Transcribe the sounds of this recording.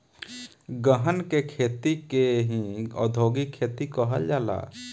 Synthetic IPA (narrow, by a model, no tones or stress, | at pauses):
ɡəɦənkekʰeːt̪ikeɦĩɔ̰ːd̪ʱoːɡikʰːeːt̪ikəɦə̰ld͡ʒaːla̰ː